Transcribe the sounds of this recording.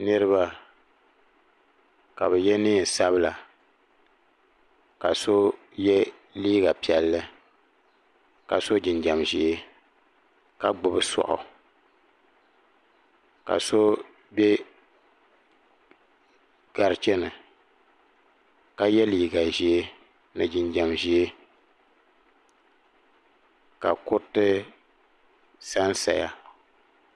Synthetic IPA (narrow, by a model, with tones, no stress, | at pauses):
nɨ˦ɾɨ˦ba˦ | ka˨bɛ˨jɛ˦nɨ˦˨n˨sa˦bɨ˦la˨ | ka̰˨so˦ | jɛ˦ | liː˦ɡa˨pi˨ɛ˨lːɨ˦ | ka̰˨so˦d͡ʒɪ˨nd͡ʒa˨mʒi˦e˦ | ka˦ɡ͡bʊ˨bɨ˦sɔ̰˨ʔʊ̰˨ | ka̰˨so˦ | be˦ | ɡ̥a˨ɾt͡ʃɛ˦nɨ˨ | ka˨jɛ˦li˨ɡa˨ʒi˦e˦ | nɨ˨d͡ʒɪ˨nd͡ʒa˨mʒi˦e˦ | ka̰˨kʊ˦tɨ˦ | sa˦n˦sa̰˨ja̰˦